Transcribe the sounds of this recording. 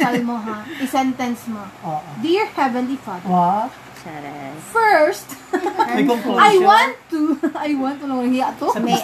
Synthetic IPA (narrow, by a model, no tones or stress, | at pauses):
ɐllmoɦaɪsɛnt̪ɛnsmooʔd̪iɹhɛvɛ̃nlifad | fɛɹst̪ | ajwãnt̪ːuɐjwãnt̪ːulɐhiɐɐt̪om